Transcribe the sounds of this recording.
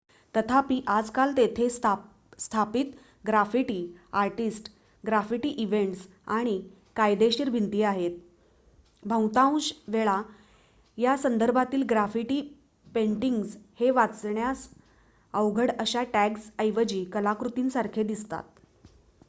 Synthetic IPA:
t̪ət̪ʰapiːʔad͡zkalt̪et̪ʰe | st̪ʰapit̪ | ɡɾafiʈiːaɾʈisʈ | ɡɾafiʈiːʔiʋeɳʈs | aɽ̃i | kajd̪eɕiɾbʱint̪iːaɦet̪̚ | bʱə̃wt̪aũɕʋeɭa | jasənd̪əɾbʱat̪iːlɡɾafiʈiː | peɳʈiŋɡsheʋat͡sɳjas | əwɡʱəɽəɕaʈæksəjʋəd͡ʑiːkəlakɾut̪iːnsaɾkʰed̪ist̪a̰t̪̚

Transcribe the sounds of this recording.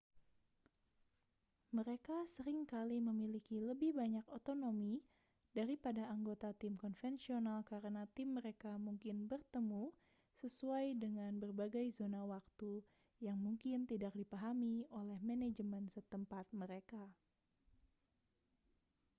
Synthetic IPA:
məɾekasəɾɪŋkaliməmilikiləbɪhbaɲakot̪onomi | daɾipadaːŋɡot̪at̪ɪmkɔnfɛnsionalkaɾənat̪ɪmːəɾekamuŋkɪnbərt̪əmu | səsuajdəŋanbərbaɡajzonawak̚t̪u | jaŋmuŋkɪnt̪idak̚dipaɦamiolɛhmɛned͡ʒəmənsət̪əmpat̪̚məɾeka

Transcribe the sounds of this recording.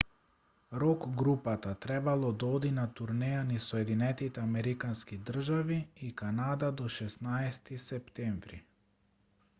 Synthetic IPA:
ɾɔkɡɾupat̪at̪ɾɛbalˠɔd̪aɔd̪inat̪uɾnɛjanisɔɛd̪inɛt̪it̪ɛamɛɾikanskid̪r̩ʒaviːkanad̪ad̪ɔʃɛsnaɛst̪isɛpt̪ɛɱvɾḭ

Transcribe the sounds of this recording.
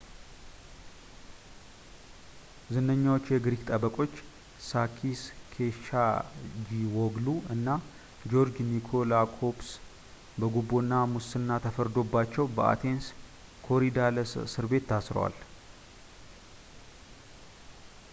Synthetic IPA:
zɨnəɲːawo̞t͡ʃːjɛɡɾikt̪ʼəbəkʼo̞t͡ʃː | sakʰiskʰeʃad͡ʒiwɔɡluɨnːa | d͡ʒo̞ɾd͡ʒnikʰo̞lakʰo̞bs | bəɡubːonːamusɨnːat̪ʰəfəɾd̪o̞bːat͡ʃːɛwbəʔa̰t̪ʰe̞ns | kʰo̞ɾid̪aləssɨɾbe̞t̪ʰːasɾə̰wa̰l

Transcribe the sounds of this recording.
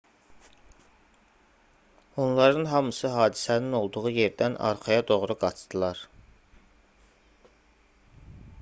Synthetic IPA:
onlˠɑɾɯnɦɑmɯsɯɦɑːd̪isænino̞lˠd̪uʁuje̞ɾd̪ænɑ̰ɾχɑjɑd̪o̞ʁɾuɡɑt͡ʃd̪ɯlˠɑɾ

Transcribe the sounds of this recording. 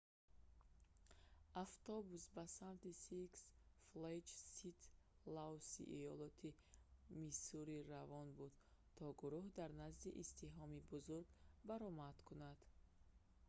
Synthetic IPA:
aft̪ɔbusbasamt̪isiksfled͡ʒsit̪ʰ | lawsḭʔijɔlɔt̪ʰimisuɾiɾavɔnbud̪t̪ʰɔɡuɾuhd̪aɾnazd̪iʔist̪iɦɔmibuzuɾɡbaɾɔmad̪̥kʰunad̪̥

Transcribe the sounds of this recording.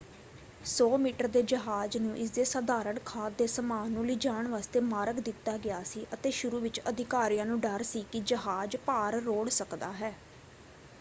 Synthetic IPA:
soːmiːʈəɾd̪eːd͡ʒəɦaːd͡ʒnũːʔɪs̬d̪eːsəd̪aːɾəɳkʰaːt̪̚d̪eːsəmaːnũːləiːd͡ʒaːɳʋaːst̪eːmaːɾəkd̪ɪt̪ːaːɡɪaːsiːʔət̪eːʃʊɾuːʋɪt͡ʃəd̪ʱɪkaːɾijãːnũːɖəɾsiːkɪd͡ʒəɦaːd͡ʒpaːɾːoːɽsəkd̪aːɦɛː

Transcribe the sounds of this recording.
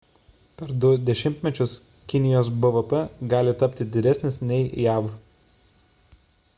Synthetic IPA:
pʲɛɾd̪ʊd̪ʲɛʃʲɪmʲt̪ʲmʲɛt͡ʃʲʊs | kʲɪnʲɪjoːs̬bɐʋəpɛɡɑːlʲɪt̪ɐpʲt̪ʲɪd̪ʲɪd̪ʲɛsʲnʲɪsnʲɛɪjæːʋ

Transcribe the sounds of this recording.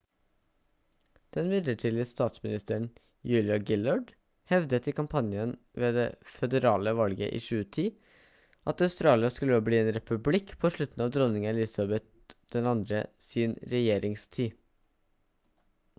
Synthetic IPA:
d̪̥ɛnʋɪd̪əʈʰiːlɪəst̪ɑːt̪smɪnɪst̪əɳ̩ | jʉːlɪɑɡɪlɑɖ | hɛʋd̪ət̪ɪkɑmpʰɑnjən | ʋeːd̪efɛd̪əɾɑːləʋɑlɡə̰ʔḭːʃʉːət̪ʰiː | ʔɑt̪ɑʉst̪ɾɑːlɪɑskʉlːəoːbliːeːnɾɛpʉblɪkːpʰoʂɭʉt̪n̩ɑːʋd̪ɾɔnɪŋɑɪlɪsɑbɛt̪ | d̪̥ɛnɑnd̪ɾə̰siːnɾɛjeːɾɪŋst̪ʰiː

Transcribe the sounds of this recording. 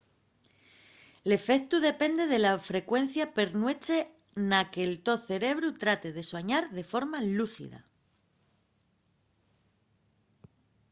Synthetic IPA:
le̞fe̞kt̪uð̞e̞pe̞nd̪e̞ð̞e̞lafɾe̞kwe̞n̟θjape̞ɾnwe̞t͡ʃe̞ | nake̞lt̪o̞θe̞ɾe̞βɾut̪ɾat̪e̞ðe̞swaɲaɾðe̞fo̞ɾmaluθḭða̰

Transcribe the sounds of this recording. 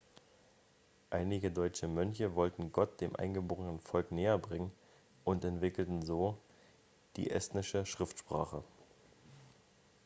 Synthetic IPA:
ʔaɪnɪɡədɔʏt͡ʃəmœnçəvɔltn̩ɡɔt̚d̥eːmʔa̰ɪnɡəboːʁənənfɔlkneːɐbʁɪŋən | ʔʊntɛntv̥ɪkl̩tn̩zoː | d̥ḭːʔɛstnɪʃəʃʁ̥ɪftʃpʁ̥a̰ːχə

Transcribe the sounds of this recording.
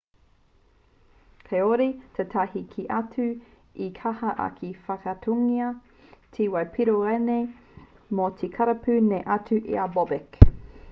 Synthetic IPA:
pʰeoɾitʰetʰahikʰiʔɐt͡sʉ | ikʰɐhɐʔɐ̰kʰifɐkɐtʰuŋiɐ | tʰiwɐjpʰiɾoɾene | motʰikʰɐɾɐpʰʉneʔɐt͡sʉʔḭabobek

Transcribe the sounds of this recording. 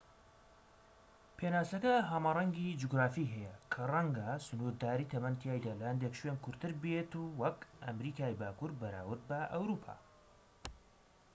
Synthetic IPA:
pʰenaːsɐkɐɦamarˤɐŋɡid͡ʒuɡɾaːfiɦɛjɐkʰɐrˤɐŋɡasʊnuɾd̪aːɾiːt̪ʰɐmɐnt̪ʰjaːjd̪aːlɐhɐnd̪ekʃwenkʰʊɾt̪ɨɾbet̪uwɐkʔɐmɾiːkaːjbaːkuɾbɐɾa̰ːwɨɾ̚bɐʔɐwɾuːpʰa̰ː

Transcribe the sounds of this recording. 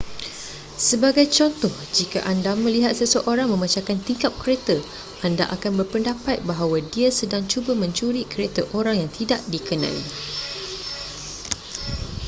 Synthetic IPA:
səbaɡajt͡ʃɔnt̪ɔhd͡ʒikaʔandamə̃liɦat̪̚səsəʔoɾaŋmə̃mãt͡ʃakant̪iŋkap̚kəɾet̪ə | ʔanda̰ʔakanbərpəndapat̪̚baɦawadiasədaŋt͡ʃubəmə̃ɲt͡ʃuɾikəɾet̪aʔoɾaŋjaŋt̪idaʔdikənã̰ḭ

